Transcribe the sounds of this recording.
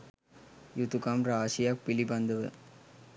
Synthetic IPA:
jut̪ukaːmɾaːʂijaːk̚pilibɐnd̪ɐʋɯ̰

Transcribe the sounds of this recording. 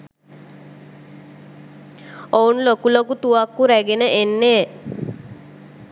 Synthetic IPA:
ounlokulokut̪uʋakːuɾæɡenəʔenːeː

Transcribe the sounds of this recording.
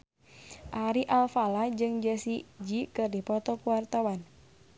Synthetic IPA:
ʔaɾiʔalfalad͡ʒɨŋd͡ʒəsid͡ʒikɨrdipɔt̪ɔkuwart̪awan

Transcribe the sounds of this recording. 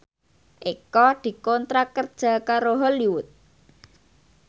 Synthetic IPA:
ʔikɔd̪̥i̤kɔnt̪ɾakərd̥ʒ̥ä̤kaɾoɦɔliwʊt̪̚

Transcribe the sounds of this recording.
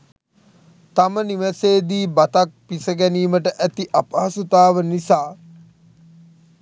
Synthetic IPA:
t̪aməniʋəseːd̪iːbat̪ak̚pisəɡæniːməʈəʔæt̪iʔapaɦasut̪aːʋənisaː

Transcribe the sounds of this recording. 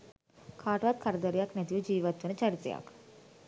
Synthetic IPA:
kʰaːʈəʋat̪̚kʰaɾəd̪əɾejaknɛt̪ijʋud͡ʒiːʋat̪ʋənət͡ʃaɾit̪ḛja̰k

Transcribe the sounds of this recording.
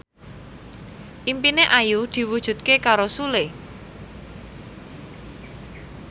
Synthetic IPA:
ʔimpineʔajud̪̥i̤wud̥ʒ̥ṳt̪̚kekaɾosule

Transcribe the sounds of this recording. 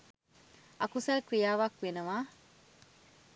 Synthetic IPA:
ʔɐkusɐlkɾijaːʋakʋenɐʋaː

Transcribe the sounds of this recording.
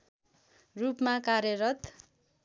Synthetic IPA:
rupmakaɾjʌɾʌt̪

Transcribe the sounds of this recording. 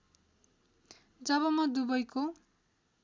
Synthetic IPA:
d͡zʌβʌmʌd̪ubʌjko

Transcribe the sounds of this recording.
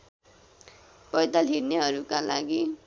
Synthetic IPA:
pʌjd̪alɦiɾneɦʌɾukala̰ɡi

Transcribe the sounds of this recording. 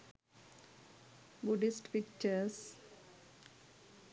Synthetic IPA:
buɖisʈpik̚t͡ʃəɾs

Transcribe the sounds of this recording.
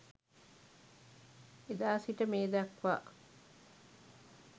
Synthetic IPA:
ed̪aːsiʈəmeːd̪ɐkʋa̰ː

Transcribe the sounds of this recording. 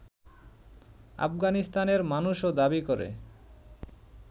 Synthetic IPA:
a̰fɡanist̪aneɾmanuʃod̪abikoɾḛ

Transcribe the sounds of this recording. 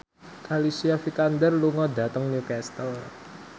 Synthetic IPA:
kalisiafikand̪ərluŋɔdä̤t̪əŋnjukɛst̪əl

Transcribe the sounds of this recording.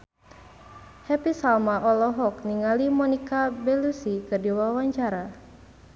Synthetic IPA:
hɛpisalmaʔɔlɔɦɔk̚niŋalimɔnikabɛlusikɨrdiwawaɲt͡ʃaɾa

